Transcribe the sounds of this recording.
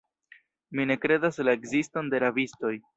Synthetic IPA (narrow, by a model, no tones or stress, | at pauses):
mine̞kɾe̞daslaekzisto̞nde̞ɾavisto̞j